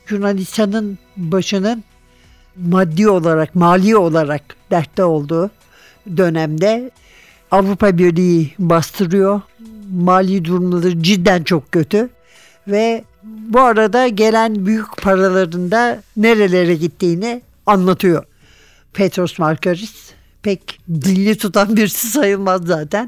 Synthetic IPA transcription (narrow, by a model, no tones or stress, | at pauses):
ʒuɾnalʲist̪ʰanɯn | baʃɯnɯn | mad̪ːio̞lˠaɾakmaːlʲiːo̞lˠaɾak̚d̪̥æɾt̪lːɛo̞lˠd̪uː | d̪ø̞næmd̪ɛ | avɾupabiɾlʲijibast̪ʰɯɾɯjo̞maːlʲiːd̪uɾumlˠad̪ɯɾd͡ʒid̪ːænt͡ʃʰo̞k̚cø̞t̪ʰy | vɛ | buaɾad̪aɟe̞lʲænbyjycpʰaɾalˠaɾɯnd̪ane̞ɾe̞lʲe̞ɾɛɟit̪ːiːnɪ | anlˠat̪ʰɯjo̞ | pʰet̪ɾosmaɾkaɾis | pʰɛcd̪ilːʲit̪ʰut̪ʰanbiɾsisajɯlˠmazːaːt̪ʰæn